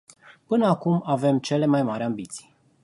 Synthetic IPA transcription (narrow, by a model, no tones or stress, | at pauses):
pɨnəakumave̞mt͡ʃe̞le̞majmaɾʲambit̪si̥j